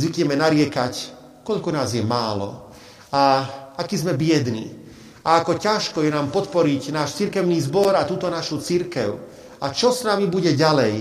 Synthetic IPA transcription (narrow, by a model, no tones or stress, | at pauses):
zʋikɲɛmɛnaɾɪɛkac | kɔʎkɔnaːzjɛmaːlɔ̰ | aakizmɛbɪɛd̪nḭ | aakɔcaʃkɔjɛnaːmpɔt̪pɔɾicnaːʃt͡siɾkɛʊniːzbɔɾat̪uːt̪ɔnaʃut͡siɾkɛʊ | at͡ʃɔsnamibuɟɛɟalɛj